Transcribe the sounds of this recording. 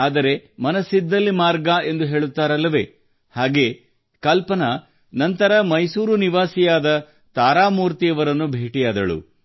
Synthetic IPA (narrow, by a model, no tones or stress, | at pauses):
aːd̪ɐɾe̞mɐnɐsid̪ːɐlːimaːɾɡae̞nd̪uɦe̞ːɭut̪ːaːɾɐlːɐʋe̞ː | haːɡe̞ː | kɐlpɐnɐ | nɐnt̪ɐɾɐmɐjsuːɾuniʋaːsijaːd̪ɐ | t̪aːɾaːmuːɾt̪ijɐʋɐɾɐnːubʱeːʈijaːd̪ɐ̰ɭṵ